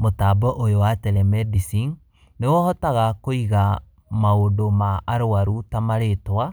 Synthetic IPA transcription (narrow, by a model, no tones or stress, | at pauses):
motabɔʔojowatɛɾɛmɛdisiŋ | newɔhɔtaɣakoiɣa | maodomaʔaɾoaɾutamaɾetwa